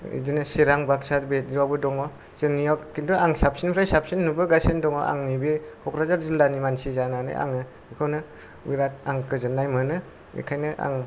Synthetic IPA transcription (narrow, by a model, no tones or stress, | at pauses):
ḭdɯnɯsiɾaŋbak̚satbet̚awbɯdɔŋɔ | sɯŋnijɔkkintuaŋsap̚sinpʰɾajsap̚sinːubɯɡasindɔŋɔ̰ʔa̰ŋnibihʰɔkɾazaɾzilːanimansizananɯ̰ja̰ŋɯ | ikʰawnɯ | wiɾat̚aŋkɯzɯnːajmɯnɯ | mʔḭkʰajnɯʔa̰ŋ